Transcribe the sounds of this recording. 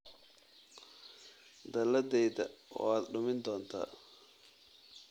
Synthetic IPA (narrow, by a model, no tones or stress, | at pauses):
d̪ɐlɐd̪ɛjðɐ̰w̰aːd̪ɖʊmɪnd̪ɔːnt̪ʰa̰ː